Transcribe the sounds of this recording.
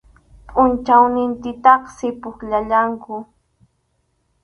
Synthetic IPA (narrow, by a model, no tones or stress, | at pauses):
pʼʊnt͡ʃawnɪnt̪ɪt̪ɑχsɪpʊkʎaʎaŋkʊ